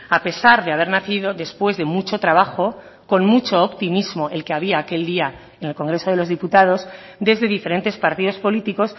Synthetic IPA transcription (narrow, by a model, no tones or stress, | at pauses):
ape̞saɾðeaβ̞e̞ɾnaθið̞o̞ðe̞spwe̞zðe̞mut͡ʃo̞t̪ɾaβ̞axo | ko̞nmut͡ʃo̞ːpt̪imizmo̞ʔe̞lke̞aβ̞iaːke̞ld̪ia | ene̞lko̞ŋɡɾe̞so̞ð̞e̞lo̞zðiput̪að̞o̞s | d̪e̞zðe̞ðife̞ɾe̞nt̪e̞spaɾt̪iðo̞spo̞lit̪iko̞s